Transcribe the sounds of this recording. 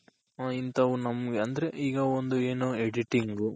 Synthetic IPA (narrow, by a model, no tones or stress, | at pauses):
int̪ɐʋunɐmɐɡeɐnd̪ɐɾe̞ʔiːɡɐond̪ueːnueɽiʈiŋɡu